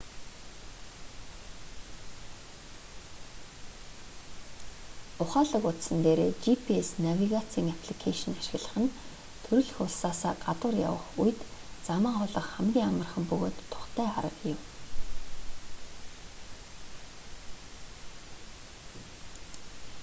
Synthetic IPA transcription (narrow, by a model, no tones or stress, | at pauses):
ʊχaːɮə̆kʊt̪sə̆nt̪eːɾeːt͡ɕipʰiesnawʲiɣat͡sʰiːŋapʰɮikʰaʃ̆naʃɪ̆ɣɮə̆χə̆n | t̪ʰɵɾɵ̆ɮxʊːɮsaːsaːɢat̪wə̆rja̰wə̰̆χujt̪t͡saməːɴχʊɮə̆χχæmɡʲiːŋamə̆rχə̆mpɵɣo̰ːt̪ʰːʊ̥χt̪ʰæːχa̰ɾə̆qjʊw